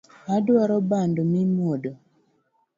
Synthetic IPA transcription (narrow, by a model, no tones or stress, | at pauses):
adwaɾɔbandomimodo